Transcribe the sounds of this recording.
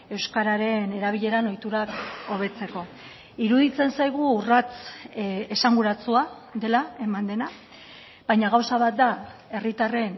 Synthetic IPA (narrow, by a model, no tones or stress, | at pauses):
e̞wskaɾaɾe̞ne̞ɾaβ̞iʎe̞ɾano̞jt̪uɾako̞β̞e̞t͡se̞ko̞ | iɾuðit͡se̞nsajɣ̞urat͡s | esaŋɡuɾat͡sua | ðe̞lae̞mand̪e̞na | β̥ajɲaɣawsaβat̪̚d̪ae̞rit̪are̞n